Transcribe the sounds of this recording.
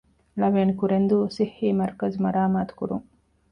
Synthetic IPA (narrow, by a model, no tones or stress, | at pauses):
lɐʋeːnikuɾend̪usihːiːmɐɾkɐzmɐɾaːmaːt̪u̥kṵɾṵŋ